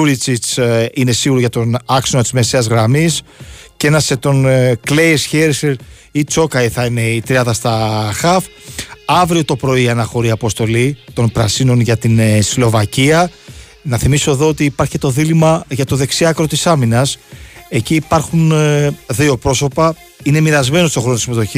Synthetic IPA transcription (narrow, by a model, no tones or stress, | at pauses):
uɾit͡sit͡sine̞siɣuɾoʝɐt̪o̞nɐksonot̪i̥zme̞se̞ɐzɣɾɐmisce̞nɐset̪o̞nklejesçeɾseɾ | it͡so̞kɐiθɐine̞it̪ɾiɐnðɐst̪ɐxɐf | ɐvɾio̞t̪o̞pɾo̞iɐnɐxo̞ɾiɐpo̞st̪o̞lit̪o̞npɾɐsino̞nʝɐt̪inslo̞vɐciɐ | nɐθimiso̞eðo̞ot̪iːpɐɾçi̥et̪o̞ðilimɐʝɐt̪o̞ðe̞ksiɐkɾo̞t̪isɐminɐse̞ciːpɐɾxunðio̞pɾo̞so̞pɐ | ine̞miɾɐzme̞nost̪o̞xɾonot̪simet̪o̞çi